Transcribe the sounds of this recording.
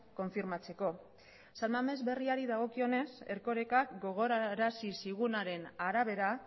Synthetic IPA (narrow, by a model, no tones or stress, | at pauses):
ko̞ɱfiɾmat͡se̞ko̞ | salmame̞zβe̞riaɾiðaɣ̞o̞kio̞ne̞se̞ɾko̞ɾe̞kakɡo̞ɣ̞o̞ɾaɾasisiɣunaɾe̞naɾaβ̞e̞ɾa